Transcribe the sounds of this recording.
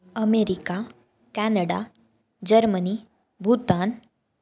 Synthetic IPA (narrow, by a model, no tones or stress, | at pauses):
əmeɾika | kænəɽa | d͡ʑəɾməni | bʱut̪an